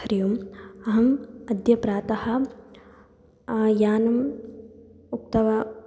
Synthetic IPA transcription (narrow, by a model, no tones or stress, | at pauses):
ɐɾjumɐɦɐmɐd̪jɐpɾaːt̪ɐhɐ̆ | jaːnɐm | up̚t̪ɐʋɐ